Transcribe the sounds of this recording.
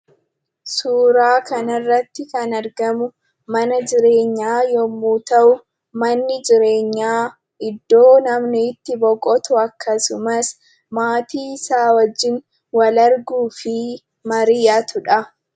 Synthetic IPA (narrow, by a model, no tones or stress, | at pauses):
suːɾaːkɐnɐrːɐt̪ːɪkɐnɐɾɡɐmʊ | mɐnɐd͡ʒɪɾe̞ːɲːaːjɔmːuːt̪ɐʔʊ | mɐnːɪd͡ʒɪɾe̞ːɲːaː | ʔɪd̪ːo̞ːnɐmnɪːt̪ːɪbɔkʼɔt̪ʊɐkːɐsʊmɐs | maːt̪iːsaːwɐd͡ʒːɪn | wɐlɐɾɡuːfɪ | mɐɾɪjɐt̪ʊᶑɐ